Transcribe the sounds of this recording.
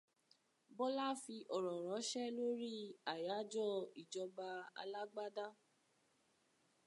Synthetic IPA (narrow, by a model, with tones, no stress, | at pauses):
bɔ˦la˦fi˧ʔɔ˨ɾɔ˨ɾɔ̃˨˦ʃɛ˦lo˦ɾi˦a˨ja˨˦d͡ʒɔ˦˨i˨d͡ʒɔ˧ba˧a̰˧la˦ɡ͡ba˦da˦